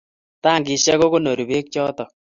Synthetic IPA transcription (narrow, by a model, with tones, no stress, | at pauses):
ta˦˨ŋɡi˨ʃɛ˦ko˦ko˦no˨ɾi˨be˦k̚t͡ʃɔ˦tɔ˨